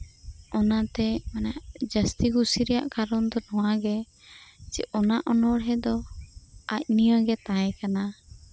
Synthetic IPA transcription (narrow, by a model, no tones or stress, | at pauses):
ɔnat̪ɛmanaʔd͡ʒəst̪iɡusiɾɛja̰ʔkaɾɔnd̪ɔnɔwaɡɛ | t͡ʃḭʔɔnaʔɔnɔɽɦɛd̪ɔ | ac̚nijɔɡɛt̪ãjɛkana